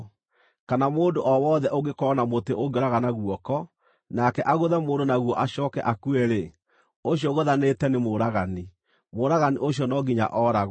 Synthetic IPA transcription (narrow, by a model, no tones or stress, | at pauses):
kanamoːndoʔɔwɔðɛʔoɣekɔːnamoteʔoɡeɾaɣanaɣuɔkɔ | nakɛʔaɣoðɛmoːndonaɣwɔʔaɕɔːkɛ̰ʔakuɛɾe | oɕjɔɣoðanetɛnemoɾaɣani | moɾaɣaniʔoɕjɔnɔɡiɲa̰ʔɔːɾaɣ